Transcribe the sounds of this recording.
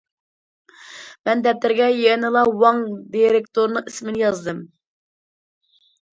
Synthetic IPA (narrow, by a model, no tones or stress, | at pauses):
mɛnd̪ɛp̚t̪ɪɾɡʲɛjɛnɨlˠɑwɑŋd̪iɾekt̪oɾnɨismɪnɪjɑzd̪ɨm